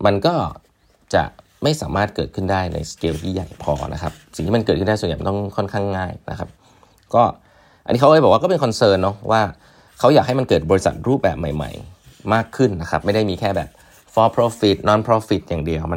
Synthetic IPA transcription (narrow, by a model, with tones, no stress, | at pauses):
ma˧nkɔː˥˩ | t͡ɕa̰˨˩ʔ | ma˥˩jsaː˩˦maː˥˩t̪̚kɤː˨˩t̪̚kʰɯ˥˩ndaː˥˩jna̰˧jskeː˧wt̪ʰiː˥˩ja̰˨˩jpʰɔ̰ː˧nʔa̰˦˥kʰa˦˥p̚si˨˩ŋt̪i˥˩m˧nkɤː˨˩t̪̚ʰɯ˥˩da˥˩sn˨˩m˨˦t̪ɔ˥˩kʰɔ˥˩nkʰa˥˩ŋːaː˥˩jna̰˦˥kʰa˦˥p̚ | kɔː˥˩ | ʔnːʔiː˦˥a˥wːjbɔː˨˩waː˥˩kɔ˥pe˧nkʰɔ˧nsɤː˧nːɔ˦˥wʔaː˥˩ | kʰa˦˥wjaː˨˩k̚a˥˩jma˧nkɤː˨˩t̪̚bɔ˧ɾi˦˥sa̰˨t̪̚ɾuː˥˩p̚bɛ̰ː˨˩p̚ma˨˩jma̰˨˩j | maː˥˩kʰːɯ˥˩nːa˦˥xʰa˦˥p̚ma˥˩jda˥˩jmiː˧kʰɛː˥˩bɛ̰ː˨˩p̚ | fɔː˧pʰɾo˧˦˥fi˨˩t̪̚nɔː˨˥npʰɾoː˧˦˥fi˨˩t̪̚jaː˨˩ŋdi˧əwma˧n